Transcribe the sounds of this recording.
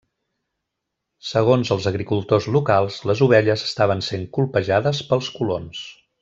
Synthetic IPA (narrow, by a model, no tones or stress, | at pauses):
səɣ̞onzəlˠzəɣɾikulˠt̪ozlukalˠzləzuβ̞ɛʎəzə̥st̪aβ̞ənseŋkulˠpəʒaðəspəlˠskulons